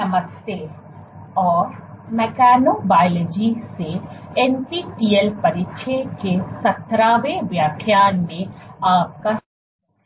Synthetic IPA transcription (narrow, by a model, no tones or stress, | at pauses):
ɐməse | ɔːɾ | mɛkaːnobaːɪled͡ʒiseenpiʈiːelpɐɾɪʃʰekesɐt̪ɾaːʋeʋjaːkʰjaːnmẽaːp̚ka